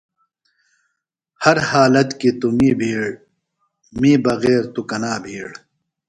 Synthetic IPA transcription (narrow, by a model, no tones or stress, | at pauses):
hɐɾhaːlɐt̪kit̪umiːbʱiːɽ | miːbɐɣeːɾt̪ukɐnaːbʱiːɽ